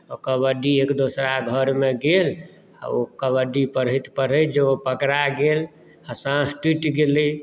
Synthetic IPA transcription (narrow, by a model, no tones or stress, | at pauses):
ɔkəbəɖiekd̪osɾaɡʱəɾmeɡel | a̰okəβəɖipəɾəjt̪pəɾəd͡ʒeopəkɾaɡel | asãsʈiʈɡelə